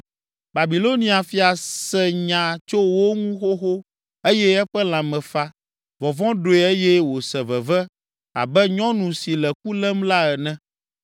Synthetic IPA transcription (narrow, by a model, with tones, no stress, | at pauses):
ba˨bi˨lo˦nĩ˦a˨fi˨a˨sɛ˨ɲã˨t͡ʃo˦wo˦ŋũ˦xo˦xo˦ | e˦jɛ˦ɛ˦ɸɛ˦l̃ã˨mɛ̃˨fa˦ | vɔ̃˨vɔ̃˦ɖo˨ɛ˨e˦jɛ˦wo˨sɛ˨vɛ˨vɛ˦ | a̰˨bɛ˦ɲɔ̃˦nũ˨si˨lɛ˨ku˦lɛ˦mla˦ɛ˨nɛ̃˦